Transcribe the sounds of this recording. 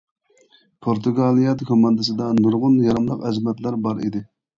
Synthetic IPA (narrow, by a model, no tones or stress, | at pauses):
pʰoɾt̪ʰuɡɑlˠijɑd̪ɨkʰʲomɑnd̪ɨsɨd̪ɑnuɾʁʊnjɑɾɑmlˠəqɛzmɛt̪læɾbɑɾḭd̪ɪ